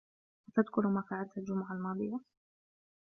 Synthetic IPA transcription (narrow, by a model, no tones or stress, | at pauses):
wat̪ad̪kʊɾmaːfaːʕalt̪ald͡ʒʊmʊʕalmɑːd̪ˤɨjːa